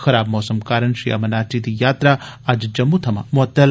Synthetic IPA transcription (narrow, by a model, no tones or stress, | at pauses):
xɐɾaːbmɔːsɐmkaːɾɐnʃiɐ̰mɐnaːʈit̪ijaːt̪ɾaːad͡ʒd͡ʒɐmːut̪ʰɐma̰mʊɦɐt̪ːɐl